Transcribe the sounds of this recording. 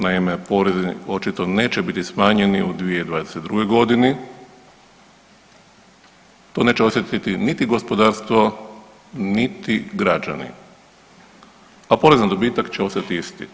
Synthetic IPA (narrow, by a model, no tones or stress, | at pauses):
naime̞po̞ɾezio̞t͡ʃit̪o̞ne̞ːt͡ɕebit̪ismaːɲe̞niud̪ʋije̞d̪ʋaːd̪eset̪̚d̪ɾuɡe̞jɡo̞d̪inɛ | t̪o̞ːne̞ːt͡ɕeo̞sjet̪it̪init̪iɡo̞spo̞d̪aːɾst̪ʋo̞ | nit̪iɡɾad͡ʒa̰nḭ | apo̞ːɾe̞zand̪o̞biːt̪akt͡ɕeo̞st̪at̪iist̪ḭ